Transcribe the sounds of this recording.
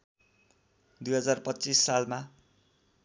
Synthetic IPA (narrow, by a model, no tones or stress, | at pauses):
d̪ujɦʌd͡zarpʌtːt͡sisːalma